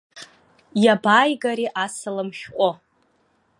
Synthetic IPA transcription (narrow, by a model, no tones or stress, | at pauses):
jabaːjɡaɾiʔasɨlɨmʃᶣqʷʼo